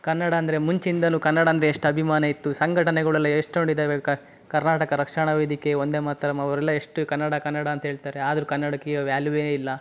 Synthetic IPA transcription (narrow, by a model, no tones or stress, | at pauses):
kɐnːɐɽɐːnd̪ɐɾemuɲt͡ʃind̪ɐnuːkɐnːɐɽaɐnd̪ɐɾeeʂʈɐbʱimaːnɐit̪ːusɐŋɡʱɐʈɐnɛɡɐɭɛlːɐʂʈoɳɖid̪ɐek | kɐɾnaːʈɐkɐɾɐkʂɐɳɐʋeːd̪ike̞o̞nd̪eːmaːt̪ːɐɾɐmɐʋɐɾɛlːɐeʂʈukɐnːɐɽɐkɐnːɐɽɐːnt̪ɐɦeːɭt̪aːɾe̞aːd̪ɐɾukɐnːɐɽɐkiɐʋjaːluʋeːeilːɐ